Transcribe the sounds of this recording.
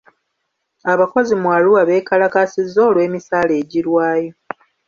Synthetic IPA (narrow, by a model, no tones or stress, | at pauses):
aβako̞zimwaluwaβe̞ːkalakasizːo̞ːlwe̞ːmisaːle̞ːɟiɾwaːjo̞